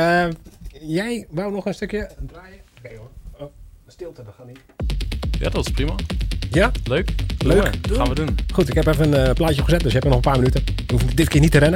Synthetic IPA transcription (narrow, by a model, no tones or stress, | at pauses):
ə | jɛjʋawnɔxənstøkjədraːjəkejo | stɪlˠtədɔxani | ja̰dɔtɪsprimajaløːkløːkxaːnʋədunχutɪkɛpɛfənənəplajtjəxəzɛt̚døsjəɦɛpənɔχənpaːrmənytən | əhufədɪtkɪːənitəɾɛnə